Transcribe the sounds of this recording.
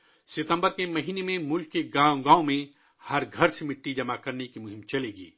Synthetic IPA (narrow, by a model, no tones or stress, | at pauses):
sɪt̪ə̃mbəɾkemɐɦiːnemẽmʊlkːeɡaːõɡãːõmẽ | hɐɾɡʱɐɾsemɪʈːid͡ʒɐmakɐɾnekimʊɦɪ̃mt͡ʃɐleːɡḭː